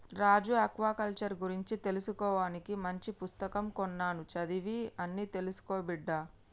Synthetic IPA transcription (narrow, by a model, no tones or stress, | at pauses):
ɾaːd͡ʒuɐkʋaːkɐlt͡ʃɐɾɡuɾiɲt͡ʃit̪e̞lusukɔːʋaːnikimɐɲt͡ʃipust̪ɐkɐmkɔnːaːnut͡ʃɐd̪iʋiɐnːiːt̪e̞lusu̥koːbiɖːa